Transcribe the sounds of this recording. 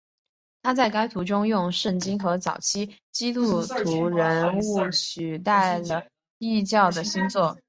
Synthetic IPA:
t̪ʰa˥t͡sa˥˩ɪka˥ɪt̪ʰu˧˥ʈ͡ʂʊ˥ŋjʊ˥˧ŋʂə˥˩ŋt͡ɕi˥ŋxɤ˧˥t͡sɑ˨˩ʊt͡ɕʰi˥ | t͡ɕi˥t̪u˥˩t̪ʰu˧˥ɻə˧˥nu˥˩ɕy˨˩t̪a˥˩ɪlə˩ | i˥˧t͡ɕjɑ˥˩ʊd̪ə˩ɕi˥nt͡swɔ˥˩

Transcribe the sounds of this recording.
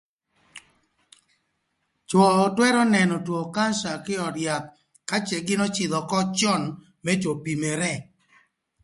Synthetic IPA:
t͡ʃɔː˨twɛ˦ɾɔ˦nɛ˨nɔ˨two˨ka˦nʃa˨kɪ˦ɔ˨ɾja˨t̪̚ | ka˦t͡ʃɛ˨ɡɪ˦nɔ˦t͡ʃɪ˨ðɔ˨kɔ˦t͡ʃɔ˦˨n | mɛ˦t͡ʃo˨pi˨mɛ˨ɾɛ˦

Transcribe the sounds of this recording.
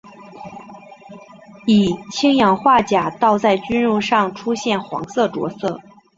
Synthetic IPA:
i˨˩t͡ɕʰi˥ŋjɑ˨˩ŋxwa˥˩t͡ɕja˨˩t̪ɑ˥˧ʊt͡sa˥˩ɪt͡ɕy˥nɻu˥˧ʂɑ˥˩ŋʈ͡ʂʰu˥ɕjɛ˥˩nxwɑ̰˧˥ŋsɤ˥˩ʈ͡ʂwɔ̰˧˥sɤ˥˩

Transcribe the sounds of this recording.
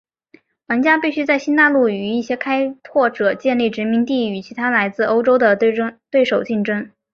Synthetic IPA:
la˧˥nt͡ɕja˥pi˥˩ɕy˥t͡sa˥˩ɪɕi˥nt̪a˥˧lu˥˩y˨˩i˥˩ɕjɛ˥kʰa˥ɪt̪ʰwɔ˥˩ʈ͡ʂɤ˨˩t͡ɕjɛ˥˧nli˥˩ʈ͡ʂɻ̩˧˥mi˧˥ŋt̪i˥˩y˨˩t͡ɕʰi˧˥t̪ʰa˥la˧˥ɪt͡sɹ̩˥˩o˥ʊʈ͡ʂo˥ʊd̪ə˨˥t̪we˥˩ɪʂo˨˩ʊt͡ɕi˥˩nʈ͡ʂə˥ŋ

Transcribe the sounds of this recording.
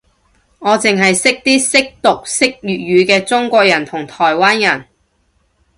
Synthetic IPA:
ŋɔː˨˧t͡sɪ˨ŋɦɐ˨jsɪ˥k̚t̪iː˥sɪ˥k̚t̪ʊ˨k̚sɪ˥k̚jyː˨t̚ɥyː˨˧kɛː˧t͡sʊ˥ŋkʷɔː˧k̚jɐ˨˩nt̪ʰʊ˨˩ŋt̪ʰɔː˨˩jwaː˥njɐ˨˩n

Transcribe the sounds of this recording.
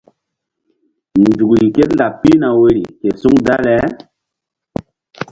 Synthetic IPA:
nd͡ʒu˨kɾi˨ke˦tnda˨pi˦na˨we˨ɾḭ˨ke˨su˦ŋda˦lɛ˨˦

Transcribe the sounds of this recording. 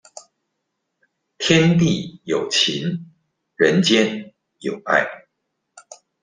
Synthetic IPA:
t̪ʰjɛ˦nt̪̬i˥˨jo˨˩ʊt͡ɕʰi˨˦n | ɻə˧˦nt͡ɕjɛ˦n | jo˨˩ʊa̰˥˩ɪ

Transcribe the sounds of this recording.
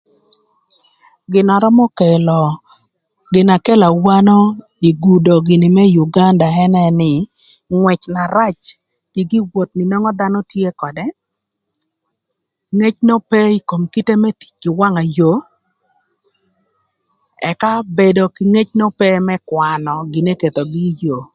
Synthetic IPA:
ɡɪ˨nɔ˨ɾɔ˦mɔ˦kɛ˨lɔ˨ | ɡɪ˨na˨kɛ˦la˨wa˦nɔ˦ | i˨ɡu˨do˨ɡɪ˨nɪ˨mɛ˦ju˨ɡa˦nda˨ɛ˦nɛ˦nɪ˨ | ŋwɛ˨t͡ʃna˨ɾa˦t͡ʃ | ɡ̥ɪ˨ɡi˦wo˨t̚nɪ˨nɔ˦ŋɔ˦d̪a˦nɔ˦tje˦kɔ˨dɛ˦ | ŋe˦t͡ʃno˦pɛ˦i˨ko˨mki˦te˦mɛ˦ti̥˨t͡ʃɡɪ˨wa˦ŋa˨jo˨ | ɛ̰˨ka˦be˨do˨kɪ˨ŋe˦t͡ʃno˦pɛ˦mɛ˦kwa˨nɔ˨ɡɪ˨ne˦ke˨t̪o˨ɡɪ˦jo˨

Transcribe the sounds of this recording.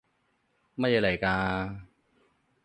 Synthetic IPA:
ma˥˩ja˧˩lɐ˨˩jkaː˧

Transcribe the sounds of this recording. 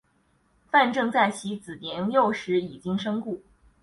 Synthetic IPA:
fa˥˧nʈ͡ʂɤ˥˧ŋt͡sa˥˩ɪt͡ɕʰi˧˥t͡sɹ̩˨˩njɛ˧˥jo˥˩ʊʂɻ̩˧˥i˨˩t͡ɕi˥ŋʂɤ˥ŋku˥˩

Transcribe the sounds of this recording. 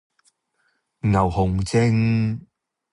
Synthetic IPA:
ŋɐ˨˩whʊ˨˩ŋt͡sɪ˥ŋ

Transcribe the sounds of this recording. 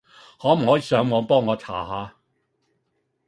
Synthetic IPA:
hɔː˨˥m̩˨˩hɔː˨˥jiː˨˧sœː˨˧˥ŋmɔː˨˧ŋpɔː˥ŋːɔː˨˧tʰa̰ː˨˩ɦaː˨˧

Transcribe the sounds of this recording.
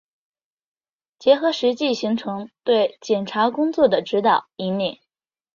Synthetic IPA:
t͡ɕjɛ˧˥xɤ˧˥ʂɻ̩˧˥t͡ɕi˥˩ɕi˧˥ŋʈ͡ʂʰɤ˧˥ŋt̪we˥˩ɪt͡ɕjɛ˨˩nʈ͡ʂʰa˧˥kʊ˥ŋt͡swɔ˥˩d̪ə˩ʈ͡ʂɻ̩˧˥t̪ɑ˨˩˦ʊi˧˥nli˥˨˩n

